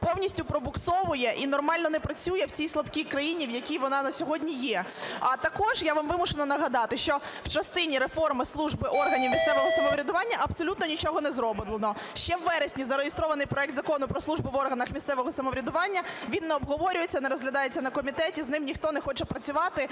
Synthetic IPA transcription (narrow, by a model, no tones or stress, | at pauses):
pɔwnʲisʲtʲʊpɾɔbʊksɔʋʊjɛʔinɔrmɑlʲnɔnɛpɾɐt͡sʲujɛwt͡sʲijslˠɐbkʲijkɾɐjinʲiwjɐkʲijʋɔnɑnɐsʲɔɦɔdʲnʲijɛ | ɐt̪ɐkɔʒjaʋamʋɪmʊʃenɐnɐɦɐd̪ɑt̪ɪʃt͡ʃɔw̥t͡ʃɐst̪ɪnʲiɾefɔrmɪslˠuʒbɪʔɔrɦɐnʲiwmʲist̪sɛʋɔɦɔsɐmɔʋɾʲɐd̪ʊʋɑnʲːɐʔɐpsɔlʲut̪nɔnʲit͡ʃɔɦɔnɛzɾɔbɪlˠenɔ | ʃt͡ʃɛwːɛɾesʲnʲizɐɾejest̪ɾɔʋɐnɪjpɾɔɛk̚t̪zɐkɔnʊpɾɔsˠuʒbɪʋɔrɦɐnɐxmʲist̪sɛʋɔɦɔsɐmɔʋɾʲɐd̪ʊʋɑnʲːɐʋʲinːɛɔbɦɔʋɔɾʲʊjet͡sʲːɐnɛɾɔzɦlʲɐd̪ɑjet͡sʲːɐnɐkɔmʲit̪ɛtʲiznɪmnʲixt̪ɔnɛxɔt͡ʃɛpɾɐt͡sʲʊʋɑt̪ɪ